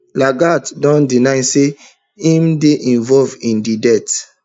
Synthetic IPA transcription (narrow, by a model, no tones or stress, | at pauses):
laɡatdɔ̃ndinaɪse | ĩmdeʔĩnvɔlvĩndidɛt